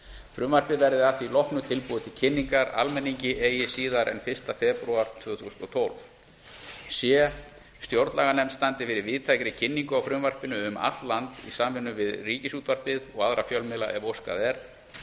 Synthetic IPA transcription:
fɾʏmvar̥pɪvɛɾðɪafθilɔhknʏt̪ʰɪlpuːðʏt̪ʰɪlcʰɪnːiŋkaɾa̰lmɛnːiɲcɪʔeːjɪsiːðaɾʔɛ̰nfɪ̥st̪afɛpɾuaɾ̥t̪ʰvʏːθusnɔt̪ʰowlv | sjɛ | st̪jowɾt̪laɣanɛmst̪ant̪ɪfɪɾɪɾvɪðt̪ʰajkɾɪcʰɪnːiŋkʏawfɾʏmvar̥pɪnʏʏma̰t̪llant̪ḭsamvɪnːʏvɪðriːcɪsuːt̪var̥pɪðɔɣaðɾafjœlmɪla̰ʔɛvowska̰ðɛɾ

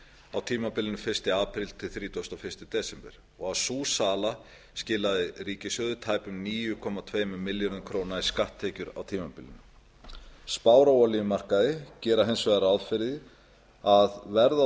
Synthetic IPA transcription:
awt̪ʰiːmapɪlɪnʏfɪr̥st̪ɪaːpɾɪlt̪ʰɪlθɾiːt̪ɔst̪ɔfɪ̥st̪ɪt̪ɛːsɛmpɛɾ̥ | ɔɣawsuːsaːla | scɪːlaðɪriːcɪsjœðʏt̪ʰaːjpʏmniːjʏkʰɔmat̪ʰveːjmɛmɪljɔnʏkʰɾoːwnaiskaht̪ʰːeːcʏɾa̰wt̪ʰiːmapɪlːɪ̰n | spaːwɾawɔlijmar̥kaðɪcɛːɾaɦejnsvɛɣɾaðfɪɾðɪ | aðvɛɾða

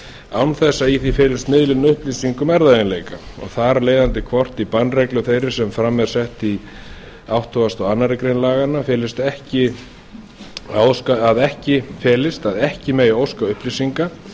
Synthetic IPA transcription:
awnθɛsːaiθifɛːlɪst̪mɪðlɪnʏhplisiŋkʏmɛɾðaðɪnlejkaɔ̰ɣθaɾleːjðant̪ɪkʰvɔr̥t̪ipanːrɛjklʏθejɾɪ̥sɛmfɾamːɛ̥sɛht̪i | awht̪ʰɔvast̪ɔɣanːaɾɪkɾejnlaːɣanːafɛːlɪst̪ɛhcɪ | aowskaaðɛhcɪfɛːlɪst̪aðɛhcɪmɛjowskaʏhplisiŋka

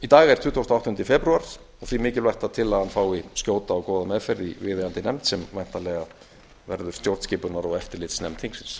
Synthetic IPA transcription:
it̪aːɣaɛɾ̥t̪ʰʏːt̪ʰowst̪awht̪ʏnt̪ɪfɛpɾuaɾ̥ | ɔɣθimɪːcɪlvajxt̪aðt̪ʰɪlaðhanːfaːwiscjoːwt̪aːwkɔːðamɛðfɛɾðivɪːðɪant̪ɪnɛmt̪sɛmvajn̥t̪alɛːɣa | vɛɾðʏɾ̥st̪jowɾ̥t̪scɪːpʏnaɾɔɣɛft̪ɪɾlɪːt̪snɛmt̪ʰiŋksɪns

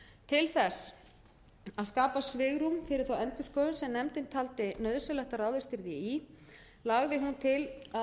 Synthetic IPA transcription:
t̪ʰɪlθɛs | aðskaːpasvɪːɣɾumfɪɾɪɾ̥θawɛnt̪ʏskœðʏnsɛmnɛmt̪ɪnt̪ʰalt̪ɪnœðsɛlɛxt̪aɾaːwðɪst̪ɪɾðjɪi | laɣðɪɦunt̪ʰɪla

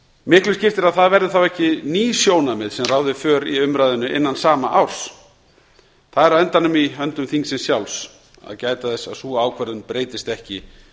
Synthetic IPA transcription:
mɪhklʏscɪft̪ɪɾaðθaðvɛɾðɪθawɛhcɪniːsjoːwnamɪðsɛmraːwðɪfœːɾiʏmɾajðʏnʏʔɪ̰nːansaːmaʔa̰wɾ̥s | θaðɛɾaɛnt̪anʏmiœnt̪ʏmθiŋksɪnsjawls | a̰ðcaːjt̪aðɛsːa̰ðsuːaːwkʰvœɾðʏnpɾeːjt̪ɪst̪ɛhcɪ

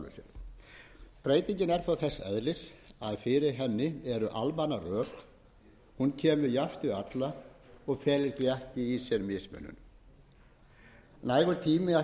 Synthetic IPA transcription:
ɪ̰sjɛ̰ɾ | pɾeːjt̪iɲcɪnɛɾ̥θawθɛsːɛ̰ðlɪsaðfɪɾɪɾɦɛnːɪɛɾʏʔalmanarœːkl | huncʰɛːmʏjaft̪ʏat̪laɔɣfɛːlɪɾ̥θiɛhcɪisjɛɾmɪsmɛ̰nːʏ̰n | naːjɣʏɾt̪ʰiːmɪa

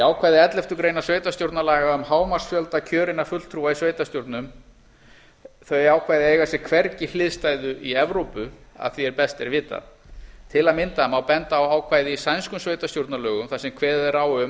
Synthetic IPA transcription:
aːwkʰvaːjðɪɛt̪lɛft̪ʏkɾejnasveːɥt̪ast̪jowɾt̪nalaːɣaʏmhaːwmar̥sfjœlt̪acʰœːɾɪnafʏt̪lt̪ʰɾuːvaisveːjt̪ast̪jowɾt̪nʏm | θœɥaːwkʰvaːjðɪeːjɣasɛkʰvɛɾcɪlɪðst̪ajðʏʔiɛvɾowpʏa̰ðθiɛɾpɛst̪ɛɾvɪːt̪a̰ðt̪ʰɪlaðmɪnt̪ahamawpɛnt̪aːwaːwkʰvaːjðɪisajnskʏmsveːjt̪ast̪jowɾt̪nalœːɣʏmθasɛmkʰvɛːðɛraːwʏm

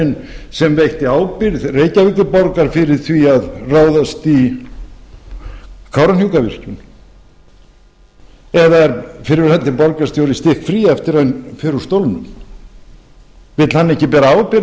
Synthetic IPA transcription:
ɪnsɛmvejht̪ɪaːwpɪɾðreːjcavɪk̪ʏpɔɾkaɾ̥fɪɾɪɾ̥θviaðraːwðast̪i | kʰawɾanhjuwkavɪ̰r̥cʏn | ɛðaɛɾfɪɾɪɾhɛt̪ːɪpɔɾkast̪jowɾɪst̪ɪhkfɾiːaɛft̪ɪɾajnfɛɾʏ̥st̪owlnʏm | vɪt̪l̥hanːɛhcɪpɛːɾaawpɪɾ

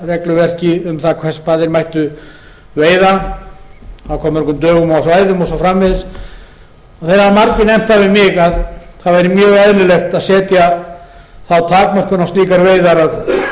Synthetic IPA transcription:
rɛklʏvɛr̥cɪʏmθakʰvɛspaːðɪɾmajht̪ʏ | veːjða | awkʰɔːmːɛɾkʏmt̪œːɣʏmɔasvaːjðʏmɔsafɾamːɪðs | ɔθɛɾamaɾcɪnɛm̥t̪avɪmɪɣaðθaðvajɾɪmjœːɣɛðlʏlɛxt̪aðsɛːt̪ja | θawt̪ʰaːkmar̥kʏnawst̪iːkaɾveːjðaɾað

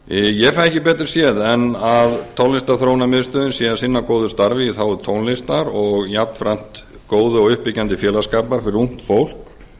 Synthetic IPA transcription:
jɛfajɛhcɪpɛːt̪ɾ̥sjɛðɛnaðt̪ʰɔwnɪst̪aθɾownamɪðst̪œːðʏnsjɛasɪnːakoːwðʏst̪aɾvɪθawʏt̪ʰownlɪst̪aɾɔɣjapt̪n̥fɾam̥t̪ | koːwðʏɔɣʏhpɪcːant̪ɪfjɛːlaskaːpaɾ̥fɪɾɪɾum̥t̪fowl̥k

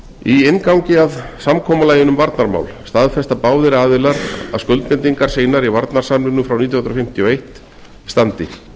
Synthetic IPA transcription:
iɪnkawŋcɪaðsamkʰɔːmalaːjɪnʏmvaɾt̪naɾma̰wlst̪aðfɛst̪apaːwðɪɾaːðɪlaɾa̰ðskœlt̪pɪnt̪iŋkaɾ̥seːjnaɾivaɾt̪naɾ̥samnʏnʏfɾawnit̪jɔhnɾɔfɪm̥t̪ʰiɔejht̪ | st̪ant̪ɪ

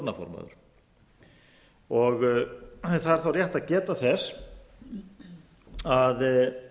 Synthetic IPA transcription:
ɾnafɔ̰ɾma̰ðʏ̰ɾ̥ | ɔɣ | θaðɛɾ̥θawrjaht̪aðcɛːt̪aθɛs | að

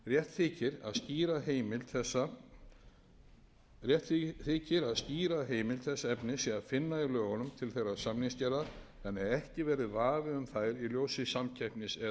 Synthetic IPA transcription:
rjɛht̪θɪːcɪɾa̰ðsciːɾaɦeːjmɪlθɛsːa | jɛht̪θɪːcɪɾaðsciːɾaɦeːjmɪlθɛsːaɛpnɪsiaðfɪnːailœːɣɔnʏmt̪ʰɪlθejɾaðsamniŋscɛːɾa | ɛnɛɾɛhcɪvɛːɾɪðvaːvɪʏmθaðɾiljoːwsɪsamcʰajhpnɪsɛ

